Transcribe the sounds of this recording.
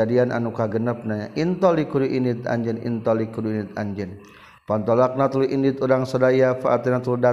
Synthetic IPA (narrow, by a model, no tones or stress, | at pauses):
adianʔa̰nukaɡənəp̚naɲaʔint̪ɔlikuduʔinɪt̪a̰ɲd͡ʒɛnḭnt̪ɔlikuduinit̪a̰ɲd͡ʒɛn | pant̪ɔlak̚nat̪uluʔinit̪udaŋsɔdajafaʔat̪inat̪uluda